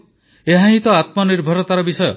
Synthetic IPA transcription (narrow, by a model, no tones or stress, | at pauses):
eɦãɦĩt̪ɔat̪mɔniɾbʱɔɾɔt̪aɾɔbisɔjɔ̰